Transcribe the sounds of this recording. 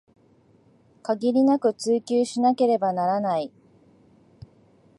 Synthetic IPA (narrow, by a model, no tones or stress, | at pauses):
kaɡʲiɾʲinakɯ̟t͡sɨːkʲɨːɕinake̞ɾe̞banaɾanai